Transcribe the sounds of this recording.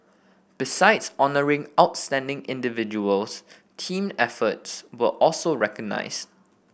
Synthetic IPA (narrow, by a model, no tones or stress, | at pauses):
b̥isaɪdsɔnəɹɪ̃ŋaʊtstɛ̃ndɪ̃ŋɪ̃ndɪvɪd͡ʒuəls | tʰĩːmɛfətswəʔɔlsoɹɛkəɡ̚na̰ɪst